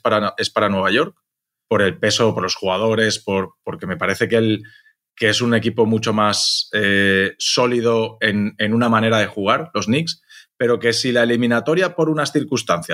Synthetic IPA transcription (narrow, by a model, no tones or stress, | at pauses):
paɾae̞spaɾanwe̞β̞aʝo̞ɾk̚ | po̞ɾe̞lpe̞so̞po̞ɾlo̞sxuɣað̞o̞ɾe̞spo̞ɾpo̞ɾke̞me̞paɾe̞θe̞keel | ke̞esune̞kipo̞mut͡ʃo̞maseːo̞lið̞o̞e̞ne̞nunamãne̞ɾað̞e̞xuɣ̞aɾlo̞znikspe̞ɾo̞ke̞silaelimĩnat̪o̞ɾjapo̞ɾunasθiɾkust̪an̟θja